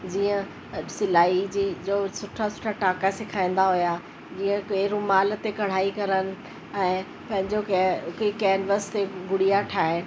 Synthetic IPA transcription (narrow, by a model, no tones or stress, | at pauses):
d͡ʑiːə̃ | sɪlaːid͡ʑiːd͡ʑoːsʊʈʰasʊ̥ʈʰaʈaːkasɪkʰãːĩn̆d̪aɦʊja | d͡ʑiːə̃keɾʊmaːl̆t̪ekɐɽ̤aːikɐɾənɪ̆ | ɛ̃ː | pɐ̃ɦɪ̃ɲd͡ʑokikɛːnʋəst̪eɡʊɽijaʈʰaːɪñɪ̆